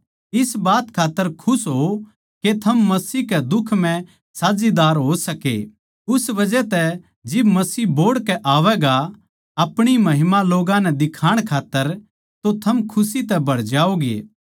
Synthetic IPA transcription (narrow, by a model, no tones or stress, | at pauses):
ɪsbaːt̪kʰaːt̪ːəɾkʰʊsɦo | ket̪ʰɐmːɐsiːɦkɛd̪ʊkʰm̤ɛ̃ | saːd͡ʒid̪aːɾɦoːsɐkḛ | ʊsbɐd͡ʒɛt̪ɛ | d͡ʒɪbmɐsiːboːɽkɛʔaːʋɛɡa | ɐpɽ̃imɐɦɪmaloːɡãnɛd̪ɪkʰaːɽ̃kʰaːt̪ːəɾ | t̪ot̪ʰɐmkʰʊsit̪ɛbʱɐɽd͡ʒaːoɡḛː